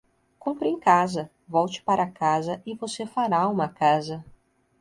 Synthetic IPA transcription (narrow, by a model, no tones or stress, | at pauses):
kõpɾẽj̃kazɐ | vɔwt͡ʃɪ̥paɾʔɐkazɐɪvosefaɾaũmɐkazɐ